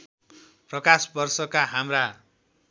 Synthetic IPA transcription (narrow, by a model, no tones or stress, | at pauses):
prʌkasbʌrsʌkaɦamra